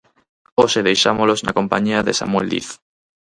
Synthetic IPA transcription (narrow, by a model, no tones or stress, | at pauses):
oʃeðe̞jʃamolozna̰ko̞mpaɲiaðe̞sa̰mweld̪ḭθ